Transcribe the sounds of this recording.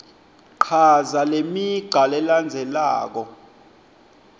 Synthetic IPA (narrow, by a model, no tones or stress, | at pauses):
ǃʰazalemiɡ͡ǃʱalɛland͡zʱɛla̰ːk̬ɔ